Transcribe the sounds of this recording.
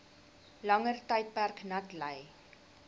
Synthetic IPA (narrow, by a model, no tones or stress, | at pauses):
lɐŋərtəjt̚pærknɐtləj